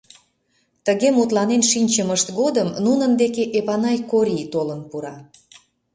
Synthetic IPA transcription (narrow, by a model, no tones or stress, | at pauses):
t̪əɣemut̪lɑnenʃinʲt͡ɕəməʃt̪ɣod̪əmnunənd̪ekeʔeβɑnɑjkoɾʲit̪olənpuɾɑ